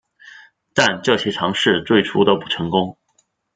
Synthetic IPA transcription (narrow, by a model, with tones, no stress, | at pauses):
t̪a˥˧nʈ͡ʂɤ˥˩ɕjɛ˥ʈ͡ʂʰɑ˧˥ŋʂɻ̩˥˧t͡swe˥˩ɪʈ͡ʂʰu˥d̪ə˧pu˥˩ʈ͡ʂʰɤ˧˥ŋkʊ˥ŋ